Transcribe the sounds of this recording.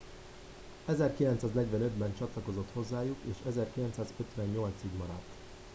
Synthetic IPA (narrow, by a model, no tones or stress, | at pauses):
ɛzɛrkilɛnt̪saːznɛɟʋɛnød̪bɛnt͡ʃɒt̪lɒko̞zo̞t̪ho̞zːaːjukeːʃɛzɛrkilɛnt̪saːzøt̪ʋɛɲːo̞lt̪siɡmɒɾɒt̪ː